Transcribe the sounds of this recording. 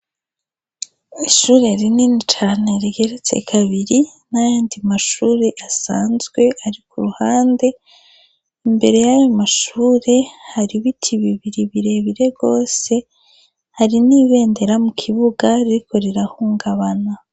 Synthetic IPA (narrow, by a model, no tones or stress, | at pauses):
iʃuːɾe̞ɾininit͡ʃaːne̞ɾiɡe̞ɾet͡sḛkʰaβiɾinajaːndimaʃuːɾe̞ʔasaːnzɡwe̞ʔaɾikuɾuhaːnde̞ | imbe̞ɾe̞jajomaʃuːɾe̞haɾiβitʰiβiβiɾiβiɾe̞βiɾe̞ɡo̞ːse̞ | haɾiniːβe̞ːnde̞ɾamukʰiβuɡaɾiɾiko̞ɾiɾahuːŋɡaβana